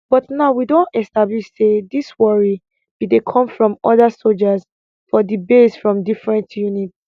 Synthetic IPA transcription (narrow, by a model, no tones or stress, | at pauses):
b̥ɔtnaʊwidõntɛstabliʃsediswɔɹi | b̥idekʰɔ̃mfɹɔ̃mɔðasold͡ʒas | fɔdibesfɹɔ̃mdifɹɛ̃ntjuniti̥